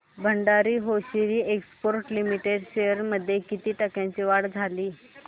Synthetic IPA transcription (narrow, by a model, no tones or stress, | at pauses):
bʱəɳɖaɾiːɦoɕiɾiːekspoɾʈlimiʈeɖɕejəɾməd̪ʱːjekit̪iːʈəkjãɲt͡ɕiːʋaɽd͡zʱaliː